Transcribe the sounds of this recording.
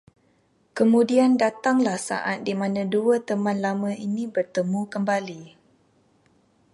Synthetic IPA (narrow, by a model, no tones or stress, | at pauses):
kəmũdiandat̪aŋlahsa̰ʔat̪̚dimãnãduət̪əmãnlamə̃inĩbərt̪əmũkəmbali